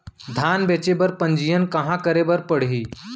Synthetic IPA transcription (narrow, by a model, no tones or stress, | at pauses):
d̪ʱaːnbet͡ʃebəɾpə̃ɲd͡ʒijənkɐɦãkəɾebəɾpəɽ̤ɦiː